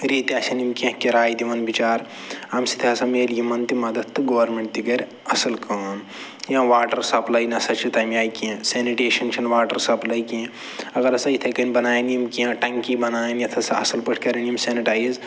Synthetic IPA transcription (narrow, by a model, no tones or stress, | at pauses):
ɾiːt̪aːsʲɐnimkẽɦkiɾaːjid̪imɐnbit͡ʃaːɾ | ɐmsi̥t̪ʰiɐsɐmeːljimɐnt̪imɐd̪ɐt̪t̪ːɨɡoːʋɐɾmeɳʈt̪iɡɐɾʲ | ɐsɐlkɐːn | jãːʋaːʈɐɾsɐplɐinɐsɐt͡ʃʰit̪ɐːmjaːikẽseːniʈeːʃɐnt͡ʃʰɐnʋaːʈɐɾsɐplɐjikĩ | ɐɡɐɾɐsɐit̪ʰɐkɐnʲbɐnaːjɐnijimkiãʈɐŋkibɐnaːjnjɐt̪ʰɐsɐɐ̰sɐlpɐʈʰkɐɾɐniimseːniʈaːjiz